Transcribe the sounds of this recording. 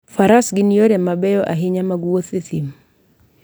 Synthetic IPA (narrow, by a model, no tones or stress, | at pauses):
faɾasɡɪnijoɾɛmabɛjɔʔaɦɪɲamaɡuwot̪ɪt̪im